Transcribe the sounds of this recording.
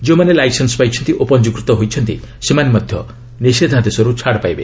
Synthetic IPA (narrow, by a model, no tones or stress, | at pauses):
d͡ʒeũmanelajsensɔpajt͡ʃʰɔnt̪iʔopɔnd͡ʒukɾit̪ɔɦojt͡ʃʰɔnt̪ḭ | semanemɔd̪ʱjɔ̰ | nised̪ʱad̪esɔɾut͡ʃʰaɽpajbḛ